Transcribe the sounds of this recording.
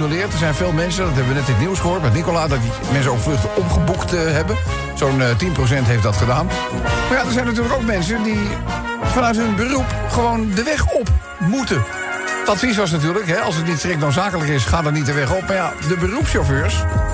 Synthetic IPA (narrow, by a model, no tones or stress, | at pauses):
olɪːɹtəɹzɛjnveːlˠmɛnsədɑtɦɛbəʋənɛtɪntniwsχəɦoːɹtmɛtnikolaːdɑt | mɛnsəokflɵχtəʔɔpχəbuktɦɛbə | z̥owntinprows̬ɛntɦejfdɑtχədaːn | maɹjadəɹzɛjnatyːɹləkowkmɛnsəndi | vɑnœɥtɦɵnbərupχəʋowndəʋɛχɔp | mutə | tɑtfisʋɑs̬natyːɹləkɦɛɑlˠsətnitstrɛk̚tnowts̬aːkələkɪsχaːdanit̚dəʋɛχɔp̚maːɹjadəbərupsoføːɹs